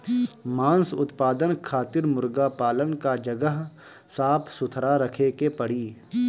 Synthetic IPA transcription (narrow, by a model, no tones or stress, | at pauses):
mãːnsʊt̪paːd̪ənkʰaːt̪ɪɾmʊɾɡapaːlənkad͡ʒɐɡəɦ | saːpʰsʊt̪ʰɾaɾɐkʰekepɐɽiː